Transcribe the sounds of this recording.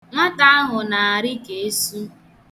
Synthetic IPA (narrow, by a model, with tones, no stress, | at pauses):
ŋʷa˦ta˦a˦ɦʊ˨na˨a˨ɾɪ˦ke˨e˦su˦